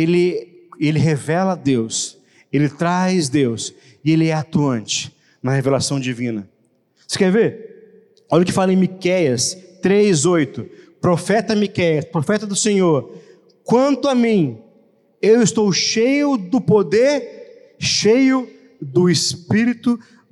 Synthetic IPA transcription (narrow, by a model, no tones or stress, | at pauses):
elɪelɪɦevɛlɐd̪ews | elɪt̪ɾajzd̪ews | ɪelɪɛat̪uɐ̃nt͡ʃɪ̥ | nɐhevelasɐ̃w̃d͡ʒivĩnɐ | se̥kɛɾveɾ | ɔlʊkɪfalɐẽmikɛjɐst̪ɾezojt̪ʊpɾofɛt̪ɐmikɛjɐspɾofɛt̪ɐd̪ʊsẽɲoɾ | kwɐ̃nt̪ʊamĩ | ewɪst̪owʃejʊd̪ʊpod̪eɾ | ʃejʊ | d̪ʊɪspiɾit̪ʊ